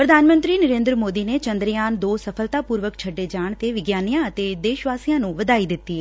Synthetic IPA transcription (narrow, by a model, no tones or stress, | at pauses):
pɾəd̪ʱaːnmə̃nt̪ɾiːnəɾẽːnd̪ɾmoːd̪iːneːt͡ʃənd̪ɾjaːnd̪oːsəpʰəlt̪aːpuːɾʋəkt͡ʃʰəɖːeːd͡ʒaːɳt̪eːʋɪɡjaːnijãːət̪eːd̪eːʃʋaːsijãːnũːʋəd̪aːiːd̪ɪt̪ːiːɛː